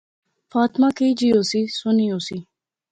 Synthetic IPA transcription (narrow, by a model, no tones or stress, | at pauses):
faːt̪maːkeiːd͡ʒiːoːsiːsʊniːoːsiː